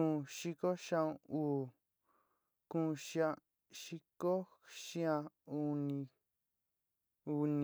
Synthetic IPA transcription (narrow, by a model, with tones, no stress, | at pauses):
ũ˦˧ʃi˧˦ko˦ʃã˧ũ˧uː˦˨ | kũː˦˧ʃi˧ã˧ | ʃi˦ko˦ | ʃĩ˦ã˧u˧nĩ˧ | u˧nĩ˧